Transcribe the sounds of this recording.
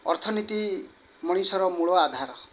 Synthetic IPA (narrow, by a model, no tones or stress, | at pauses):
ɔ̰ɾt̪ʰɔnit̪i | mɔɽ̃isɔɾɔmuɭɔad̪ʱaɾɔ